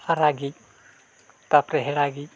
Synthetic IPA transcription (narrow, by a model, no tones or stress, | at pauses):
aɾaɡic̚ | t̪apɾɛɦɛɽaɡic̚